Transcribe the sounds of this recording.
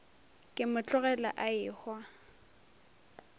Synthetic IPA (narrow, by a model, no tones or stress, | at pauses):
kʼɪmʊt͡ɬʼʊɣɛla̰ʔaɪhwa